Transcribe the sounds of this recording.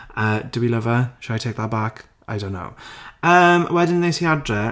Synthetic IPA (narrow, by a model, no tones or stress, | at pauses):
əːd̥əwiləvəʃaajtʰek̚ðabakʰ | a̰ɪjdõʊ̃nːo̰wəːmwɛdɪ̃nðejsiadrɛ